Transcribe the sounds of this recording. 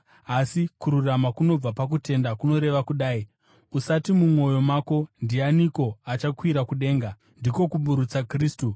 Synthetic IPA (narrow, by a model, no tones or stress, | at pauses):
asikuɾuramakuno̞b͡vapak̬ute̞ndakuno̞ɾe̞ʋakuɗaːi | usatimumwo̞jo̞maːko̞ndianiko̞at͡ʃakwiɾakuɗe̞ːŋɡa | ndiko̞kuɓuɾut͡sakriːstu